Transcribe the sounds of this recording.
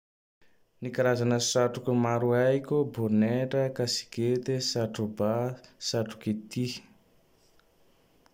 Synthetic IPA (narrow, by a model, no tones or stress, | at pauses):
nikaɾazanəsaʈ͡ʂukumaɾuajkʲuboneʈ͡ʂəkasi̥ket̪esaʈ͡ʂubasaʈ͡ʂu̥ket̪i